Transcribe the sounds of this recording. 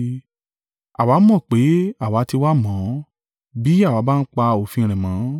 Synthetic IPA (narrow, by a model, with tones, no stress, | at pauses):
a̰˨wa˨˦mɔ̃˦˨k͡pe˨˦a˦˨wa˨˦ti˧wa˦mɔ̃˨˦ | bi˨˦a˦˨wa˨˦ba˦˧n̩˦k͡pa˧o˨fĩ˧ɾ̃ɛ̃˨mã˨˦